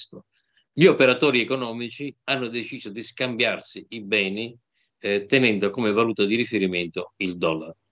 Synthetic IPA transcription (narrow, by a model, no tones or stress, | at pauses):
t̪o | ʎiopeɾat̪ɔːɾiɛkonɔːmit͡ʃianːod̪et͡ʃiːzod̪iskambjarsiibɛːni | t̪ɛnɛnd̪okomevaluːt̪ad̪iɾifeɾiment̪oild̪ɔlːaɾ